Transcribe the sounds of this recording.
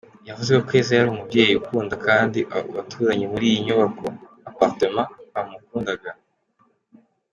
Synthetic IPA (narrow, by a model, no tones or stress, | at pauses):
javuzeokwe̞ːzejaɾuːmubɟe̞ːjukuːndakaːndiβatʰuːɾaɲemuɾiːjiɲoβako̞ | apaɾtemaːmukuːndaɡa